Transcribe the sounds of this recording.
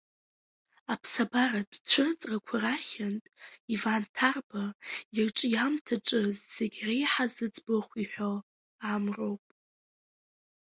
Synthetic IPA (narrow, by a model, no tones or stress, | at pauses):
apʰsabaradt͡sʷʰʊrt͡sʼrakʷʰaraχʲantʼivantʰarbajɪrʈ͡ʂʼjamtʰaʈ͡ʂʼɨzz̥eɡʲrejħazɨd͡zʼboχʷiħʷᶣo | amro̞wpʼ